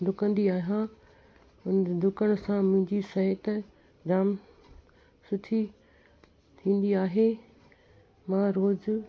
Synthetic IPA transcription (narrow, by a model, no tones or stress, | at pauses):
d̪ʱʊkə̃nd̪iaːɦã | ʊnd̪ʱʊkəɽ̃sãmʊ̃ɦɪ̃ɲd͡ʑisɐɦət̪ | ɾaːm | sʊʈ̪ʰi | t̪ʰĩːn̆d̪iaːɦe | mãɾoːd͡ʑ